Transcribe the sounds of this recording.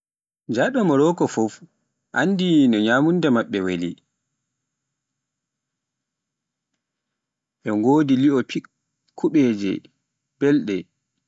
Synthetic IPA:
d͡ʒaɗɔmɔɾɔːkɔfɔf | ʔa̰nːdinɔɲaːmundɛmaɓːɛwali | ɓɛŋɡoːdiliɔpʰi | kʰːuɓɛd͡ʒɛ̰ | b̥ɛlɗɛ

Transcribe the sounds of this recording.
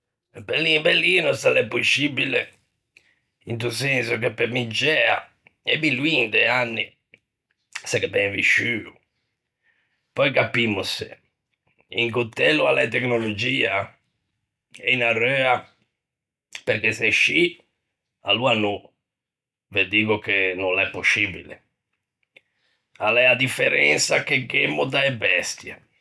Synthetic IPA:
pelːimbelːinɔst̪alɛpːusibile | int̪usɛnsukepːemid͡ʒɛːa̰ | ɛbilwind̪eanːi | sakebɛvḭʃyːu | pɔjkapːimːusḛ | ḭŋkut̪ːɛlːualɛt̪eknolod͡ʒiːa | ɛinarːøːa | peɾkeseʃːi | aluanu | ved̪iːɣʊkenɔnlɛpːosːibḭlḛ | alɛad̪ifːɛɾɛnsak̟eɡemːʊd̪aɛbɛst̪jɛ

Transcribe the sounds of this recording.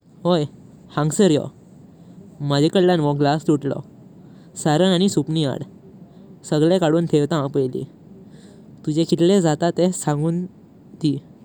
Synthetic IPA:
ɦoj | hãŋɡsəɾjɔ̰ | məd͡ʑekəlːanʋɔ̃ɡlast̪uʈlɔ̰ | saɾənañisupnia̰ɽ | səɡɭekaɽuːnt̪ʰeʋt̪ãpəjlḭ | t̪ud͡ʑekʰit̪led͡zat̪at̪esãŋɡuːn | t̪i

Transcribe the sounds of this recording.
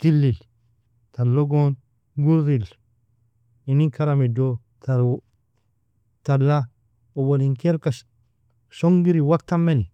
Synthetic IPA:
tilːil | talːoɡon | ɡuɾzil | iniŋkaɾamido | ta | talːa | oboliŋkeɾka | soŋɡiɾiwak̚tamːen

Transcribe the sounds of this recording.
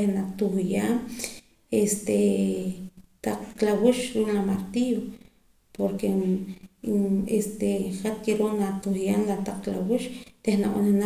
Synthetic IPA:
enat̪uχjaːm | est̪e | t̪aq͡χklawiʃɾuːʔlamaɾt̪io | poɾke | est̪eχat̪̚keɾonat̪uχjaːnlat̪aq͡χklawiʃt̪ehnaʔanena

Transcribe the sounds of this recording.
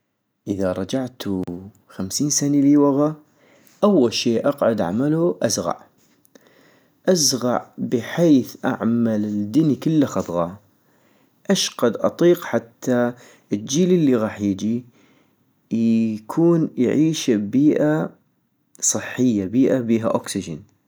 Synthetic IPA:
ʔəðaɾˤɑd͡ʒaʕt̪ʰu | xamsiːnsaniliwaɣa | ʔawːalʃeːʔɑqʕʊd̪ʕa̰maluʔazɣɑ̰ʕ | ʔazɣɑ̰ʕbəħeːθʔa̰ʕmalɪd̪ɪnikɪlːaxɑd̪ˤɣɑ | ʔaʃqad̪ʔɑt̪ˤiːqħat̪ʰːa | əd͡ʒiːlɪlːiɣɑːħjɪd͡ʒi | jkʰuːnjʕiːʃbiːʔa | sˤɨħːəjːabiːʔabiːɦaʔoksɪd͡ʒɪ̰n

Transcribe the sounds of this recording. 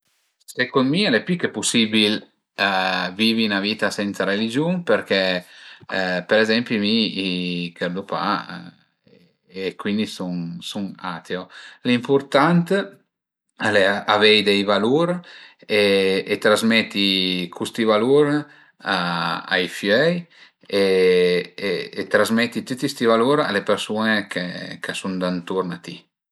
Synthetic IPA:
sekonmialepikːepusibil | viːvinaviːt̪asɛnt̪saɾelid͡ʒunperkɛ | peɾezɛmpjumiikʰeɾd̪upa̰ | kːwind̪isunsuŋa̰t̪eolimpurt̪ant̪ | aleavejd̪ɛjvaluɾeet̪ɾazmɛt̪ːikʰust̪ivaluɾ | aa̰jfjœj | e | eːt̪ɾazmɛt̪ːit̪ut̪ist̪ivaluɾa̰lepeɾsunekʰekʰasund̪ant̪uɾnat̪i

